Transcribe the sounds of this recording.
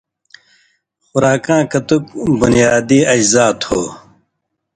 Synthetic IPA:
xʊɾaːkãːkɐt̪uk̚bunijaːd̪iːɐd͡ʑzaːt̪hoː

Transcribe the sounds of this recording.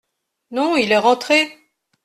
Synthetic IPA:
nɔ̃ilɛʁɑ̃t̪χe

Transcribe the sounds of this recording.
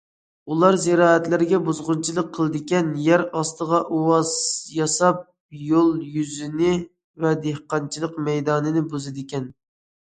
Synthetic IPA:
ulˠɑɾzɪɾɑːæt̪lɪɾɪɡʲɛbuzʁʊnt͡ʃʰilˠəqʰəlˠɨd̪ɪkʲɛnjæɾɑst̪əʁɑʔuwɑzjɑsɑp̚ | jolˠjyzɪnɪ | vɛd̪ehqɑnt͡ʃʰilˠəqmɛjd̪ɑːnɨnɪbuzɪd̪ɪkʲɛn

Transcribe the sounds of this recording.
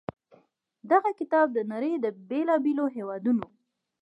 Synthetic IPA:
d̪aɣakɪt̪ɑb̚d̪ənaɾəjd̪əbelɑbeloɦewɑd̪uno

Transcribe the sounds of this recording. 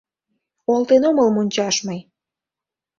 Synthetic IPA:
olˠt̪enoməlmonʲt͡ɕɑʃmɤj

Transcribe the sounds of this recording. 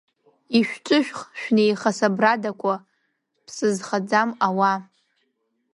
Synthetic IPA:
iʃᶣt͡ʃʷʼɨʃᶣχʃᶣnejχasabradakʷʰa | pʰsɨzχad͡zamawa

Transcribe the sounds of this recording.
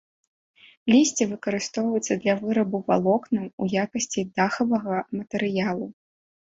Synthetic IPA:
lʲisʲt͡sʲɛvɨkɐɾɨst̪ɔwvɐjut̪sːɐd̪lʲɐvɨɾɐbuva̰lˠɔknɨmujakɐsʲt͡sʲid̪axɐvɐɣɐmɐt̪ɛɾɨjalˠu

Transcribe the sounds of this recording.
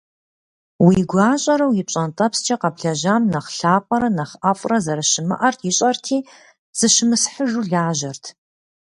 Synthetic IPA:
wiːɡʷaːɕʼɐɾɐwjɪp̚ɕʼɐntʼɐpst͡ʃʰʼɐqɐbɬɐʑaːmnɐχɬaːpʼɐɾɐnɐχʔɐfʼrɐzɐɾɐʃɪmɨ̰ʔɐrtʰjɪɕʼɐrtʰiː | z̥ɨɕɪmɨsħəʒuːɮaːʒɐrtʰ

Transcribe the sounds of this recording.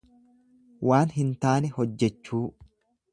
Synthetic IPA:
wʔaːnɦɪnt̪aːnɛhɔd͡ʒːɛt͡ʃːuː

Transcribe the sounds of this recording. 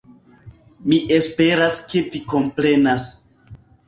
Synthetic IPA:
miʔe̞spe̞ɾaske̞viko̞mpɾe̞nas

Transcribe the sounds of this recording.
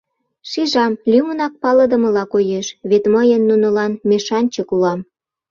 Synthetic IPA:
ʃiʒɑmlʲymənɑk̚pɑləd̪ə̆mə̆lɑkojeʃβet̪məjənːunəlɑnmeʃɑnʲt͡ɕəkuɑm

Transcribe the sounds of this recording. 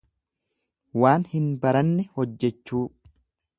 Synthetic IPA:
waːnhɪnbɐɾɐnːɛhɔd͡ʒːɛt͡ʃːuː

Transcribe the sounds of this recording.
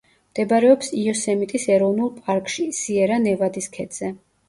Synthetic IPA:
md̪̥ɛbaɾɛɔpsiɔsɛmit̪ʼisɛɾɔvnulˠpʼaɾkʼʃisiɛɾanɛvad̪iskʰɛd̪z̥ɛ

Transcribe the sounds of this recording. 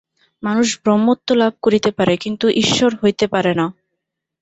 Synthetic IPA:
manuʃbɾomːot̪ːolab̚ʱkoɾit̪epaɾekint̪uʔiʃːoɾɦojt̪epaɾena

